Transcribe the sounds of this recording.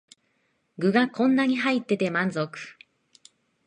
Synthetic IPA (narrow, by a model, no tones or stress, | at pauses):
ɡɯ̟ɡakõ̞nːaɲ̟iɦait̪ːe̞t̪e̞mãnzokɯ̥